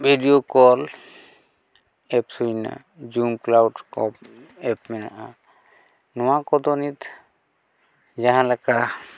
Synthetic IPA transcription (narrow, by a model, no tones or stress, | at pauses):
bʱiɖijokɔl | ɛpsujna̰ | d͡ʒumklawɖkɔp̚ɛp̚mɛna̰ʔa | nɔ̃wakɔd̪ɔnit̪ | d͡ʒaɦãlɛka